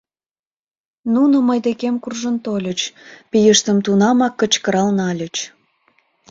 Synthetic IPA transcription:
nunoməjd̪ekemkurʒənt̪olʲət͡ɕpijəʃt̪əmt̪unɑmɑkːət͡ɕkəɾɑlnɑlʲət͡ɕ

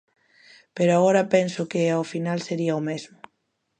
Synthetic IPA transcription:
peɾoaɣɔɾɐpɛnsʊkeawfinalseɾiaomezmʊ

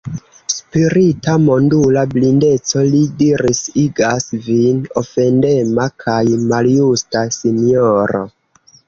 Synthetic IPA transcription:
spiɾitamo̞ndulablinde̞t͡so̞lidiɾisiɡasvino̞fe̞nde̞makʰajmaljustasinioɾo̞̰

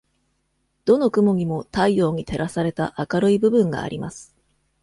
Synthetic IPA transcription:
d̪̥o̞no̞kɯ̟mo̞ɲ̟imo̞t̪aijo̞ːɲ̟it̪e̞ɾasaɾe̞t̪aʔakaɾɯ̟ibɯ̟bɯ̟̃ŋɡa̰ːɾʲimasɨ̥

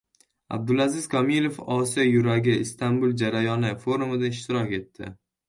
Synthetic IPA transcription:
a̰b̚d̪ʊlazɪzkʰɒmilˠofɒsijɒjʊɾaɡʲɪɪst̪ʰambʊlˠd͡ʒaɾajɒnɪfo̞ɾumɪd̪aɪʃt̪ɪɾɒkʲe̞t̪ʰːɪ̰

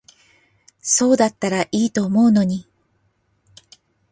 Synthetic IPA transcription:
so̞ːd̪at̪ːaɾaʔiːt̪o̞ːmo̞ɯno̞ɲ̟i

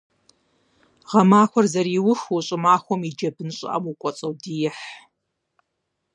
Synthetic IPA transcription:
ʁɐmaːxʷɔrzɐriːwʊxwuɕʼɪmaːxʷɔmid͡ʒɐbɨnɕʼɪ̰ʔɐ̰mukʷʼɔt͡sʼɐwdiːjɪħ

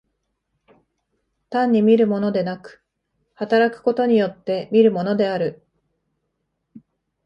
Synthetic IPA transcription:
t̪ãɲ̟ːimʲiɾɯ̟mo̞no̞d̪e̞nakɯ̥ | hat̪aɾakɯ̟̥ko̞t̪o̞ɲ̟ijo̞t̪ːe̞mʲiɾɯ̟mo̞no̞d̪e̞aɾɯ̟

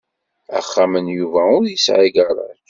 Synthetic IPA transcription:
æ̰χːamənjuvæʊɾjisʕiɡəɾˤɑ̰

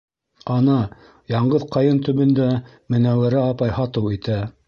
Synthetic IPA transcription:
ɑnɑ | jɑɴɢɤðqɑjɤnt̪ɵ̆βɵ̆nd̪æ | mɘ̆næwæɾæɑpɑjhɑt̪ɤwit̪æ

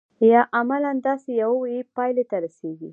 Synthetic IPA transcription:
jɑʔamaland̪ɑsejawawepɑjlet̪aɾaseɡi

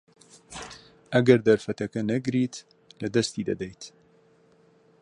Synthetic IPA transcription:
ʔɐɡɐɾd̪ɐɾfɐt̪ɐkɐnɐɡɾiːt̪ | lɐd̪ɐst̪id̪ɐ̰d̪ɛjt̪

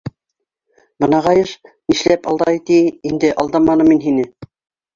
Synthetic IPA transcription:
bɤ̆nɑʁɑjɤʃniʃlæpɑlˠd̪ɑjt̪iːnd̪ɘʔɑlˠd̪ɑmɑnɤminɦinɘ

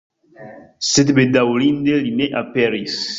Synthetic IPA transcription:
set̪bed̪awlind̪elineʔapɛɾis

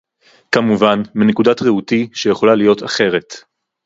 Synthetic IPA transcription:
kamuvanminekudatʁeutiʃejeχo̞lalijo̞taχe̞ʁe̞t

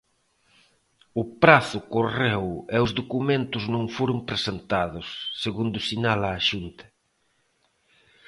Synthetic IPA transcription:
ʊpɾaθʊkoreweʊzðokumẽnt̪ʊznõŋfoɾʊmpɾesent̪aðʊsːeɣund̪ʊsinalaːʃunt̪ɐ̥

